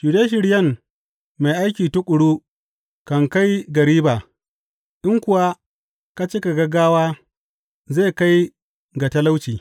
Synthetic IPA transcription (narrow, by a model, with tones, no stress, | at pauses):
ʃu˨deː˦ʃ̬ɪ˨ɽjɐ˦˨m | ma˨jʔa˦jkʲiː˨tʊ˦kʷʼʊ˨ɽu˦ | kɐ˨ŋka˦jɡɐ˨ɾiː˦baː˨ | ʔɪ˦ŋkʷʊ˨wa˦ | ka˦t͡ʃeː˦ka˨ɡɐ˦ɡaː˦waː˦ | ze˦˨ka˦j | ɡa˨tɐ˦la˦wt͡ʃiː˨